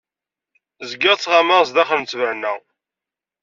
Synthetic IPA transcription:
zɡɪʁt͡sːʁɑməʁs̬d̪æχənt͡sːvəʕnːæ

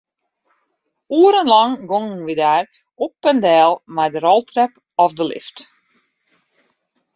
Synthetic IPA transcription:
uːəɾənlɑŋɡoŋnʋidaːr | ɔpːəndɛːlˠmajdəɾɔlˠtrɛp | ɔfdəlɪ̰ft

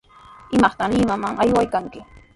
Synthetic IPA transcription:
ɪmɑχt̪aŋlɪmamaŋʔajwajkaŋkɪ

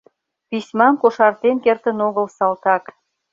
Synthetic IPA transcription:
pisʲmɑmkoʃɑrt̪enkert̪ənoɣəlsɑlt̪ɑk

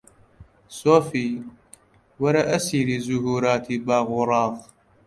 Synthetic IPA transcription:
soːfiː | waɾˤɑʔasiɾizʊhuːɾaːt̪ibaːɣʊɾˤɑːɣ

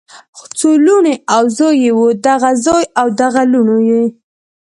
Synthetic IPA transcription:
xt͡soluneawzojewod̪aɣazojawd̪aɣaluɳoje

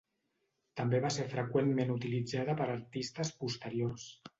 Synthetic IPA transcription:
t̪əmbeβaseɾfɾəkwenmenut̪ilid͡zaðəpəɾəɾt̪ist̪əspust̪əɾiors

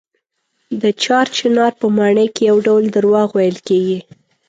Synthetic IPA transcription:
d̪ət͡ʃɑɾt͡ʃɪnɑɾpəmɑɳəjkejawɖawld̪əɾwɑɣwajəlkeɡi

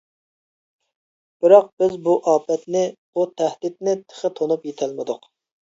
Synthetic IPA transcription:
b̥ɪɾɑq̚bɪzbuʔɑːpʰɛt̪nɪbut̪ʰæhd̪ɪt̪nɪt̪ʰə̥χət̪ʰonupjet̪ʰɛlmɪd̪ʊq

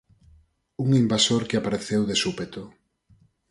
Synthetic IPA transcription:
uŋimbasoɾkeapaɾeθewðesupet̪o

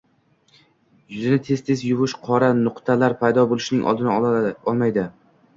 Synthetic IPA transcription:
jʊzɪnɪt̪ʰe̞z̥t̪ʰe̞zjʊvɪʃqʰɒɾanʊqt̪ʰalaɾpʰajd̪ɒbolˠɪʃnɪŋʔɒ̰lˠd̪ɪnaɒlˠmajd̪ɪ

